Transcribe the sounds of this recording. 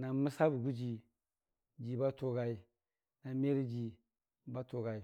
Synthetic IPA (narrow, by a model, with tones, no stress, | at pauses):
na˨mi˦sa˦bu˨ɡu˦d͡ʒi˨ | d͡ʒi˨ba˦to˨ɡa˨i˦ | na˨me˦ɾi˦d͡ʒi˨ | ba˦to˨ɡa˨i˨